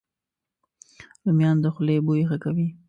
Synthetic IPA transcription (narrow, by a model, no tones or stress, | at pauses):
ləmjɑnd̪əxlebojɣakawi